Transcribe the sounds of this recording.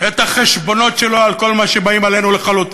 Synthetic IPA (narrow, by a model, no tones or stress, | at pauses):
et̪aχeʃbo̞no̞tʃeloalko̞lmaʃebaimale̞nuleχalut̪